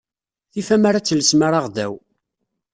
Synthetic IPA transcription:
θifæmaɾat͡sːələsmaɾaʁðæw

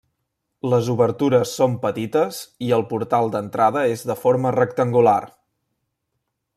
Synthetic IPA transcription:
ləzuβəɾt̪uɾəsːompət̪it̪əziəlˠpuɾt̪alˠd̪ənt̪ɾaðəezðəfoɾmərəkt̪əŋɡular

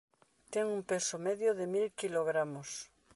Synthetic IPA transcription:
t̪eŋumpesomeðjoðemilkiloɣɾamos

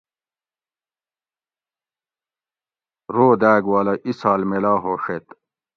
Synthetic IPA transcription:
ɾoːd̪æːɡwaːlɐʔisaːlmelaːɦoːʂet̪

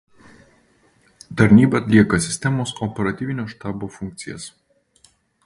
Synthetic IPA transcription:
t̪ɐɾʲnʲiːbɐːt̪ʲlʲiɛkɐsʲɪ̥sʲt̪ʲɛmoːsɔpʲɛɾɐt̪ʲiːʋʲɪnʲoːʃt̪ɑːboːfʊŋʲk̚t̪sʲɪjɛ̰s

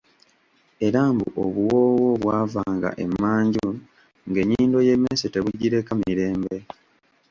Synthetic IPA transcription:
e̞ɾaːmbṵʔoβuwo̞ːwo̞βwaːvaːŋɡa̰ʔe̞mːaːɲɟu | ŋɡe̞ɲːiːndo̞je̞meːsete̞βuɟːiɾe̞kamiɾe̞ːmbe̞

